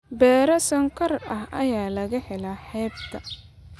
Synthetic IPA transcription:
bɛːɾɐsɐŋkʰɐrɐɦɐ̰jaːlɐɣɐħɛlaːħɛːb̚t̪ʰɐ

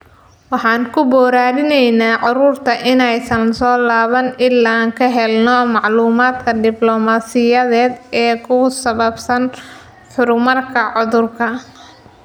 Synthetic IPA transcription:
wɑħɑːŋkʰʊbɔːɾaːɾɪnɛjnaːʕɑɾuːrt̪ʰɐʔɪnɛjsɐnsɔːlaːβɐnɪlːaːŋkʰɐɦɛlnɔmɑʕluːmaːd̪kʰɐd̪ɪblɔmaːsɪjɐðɛːd̪ɛːkʰʊsɐβɐbsɐn | ħʊɾʊmɐrkʰɐʕʊðʊrkʰɐ

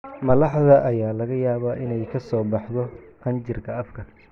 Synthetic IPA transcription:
mɐlɑħðɐʔɐjaːlɐɣɐjaːβaʔɪnɛjkʰɐsɔːbɑħðɔkʰɐnt͡ʃɪrkʰɐɐfkʰɐ

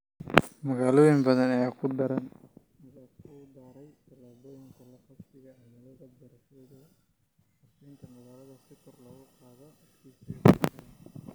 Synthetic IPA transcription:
mɐɣaːlɔːjɪmbɐðɐnɐjaːkʰʊɖɐɾɐn | mɐɣaːd̪aːɾɛjbɐlaːbɔːjɪŋkʰɐlɐfɐst̪ɪɣɐmɐlɐðɐbɐɾɐʃɛːðɐ | ɐfɛŋk̪ʰɐmɐɣaːlɐðɐsɪkʰɔrlɔːɣʊqɑːðɔɐkʰisɛdɐɐ

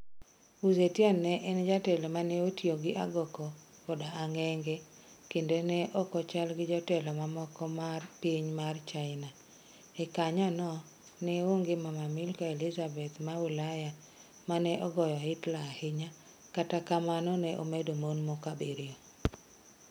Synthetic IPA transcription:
uzetjanːɛʔɛnd͡ʒatɛlɔmanɛotjoɡɪʔa̰ɡɔkɔ | kɔdaaŋɛŋɡe | kendenɛʔɔkɔt͡ʃalɡɪd͡ʒɔtɛlɔmamɔkɔmarpiɲmart͡ʃaɪna | ɛkaɲanɔ | nɛoŋɡɪmamamɪlkaelizabɛt̪mawulaja | manɛʔɔɡɔjɔɪtlahɪɲa | katakamanɔnɛʔo̰medomonmokabeɾɪjɔ

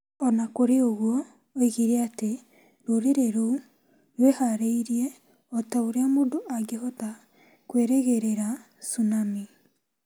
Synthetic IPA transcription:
ɔnakoɾeoɣwɔ | oiɣiɾeate | ɾoɾeɾeɾou | jwehaɾeiɾie | ɔtaoɾeamondoʔaɡeɦɔta | kweɾɛɣeɾeɾa | sunami

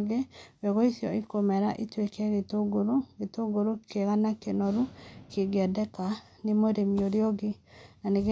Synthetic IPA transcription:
ɡeweɣoiθjɔikomɛɾaʔitwekɛɣetoɡoɾoɣetoɡoɾokʰeɣanakenoɾukʰeɡɛdɛka | nemoɾemioɾeoɡe | naneɣe

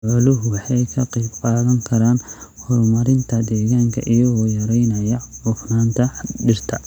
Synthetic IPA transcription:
ʕɔlʊɦʊwɑħɑjkʰɐqejbqɑːðɐŋkʰɐɾaːnhɔrmɐɾɪnt̪ʰɐd̪ɛːɣaːŋkʰɐ̰ʔijɐɣɔːjɐɾɛjnɐjɐʊfnaːnt̪ʰɐd̪ɪrt̪ʰɐ

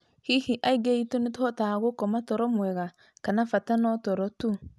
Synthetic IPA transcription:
hihiʔaiɡeitonithɔtaːɣokɔmatɔɾɔmwɛɣa | kanafatanɔtɔɾɔtu

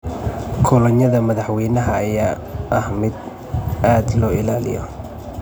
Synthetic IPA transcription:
kʰʊlɐɲɐðɐmɐðɑħwɛjnɐɦɐɐjaː | ʔɐhmɪd̪ | ʔaːd̪lɔːɪlaːlɪ̰jɔ̰

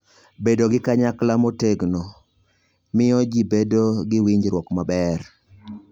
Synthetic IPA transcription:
bedoɡɪkaɲaklamoteɡno | mɪɔd͡ʒibedoɡɪwiɲd͡ʒɾwɔkmabɛr

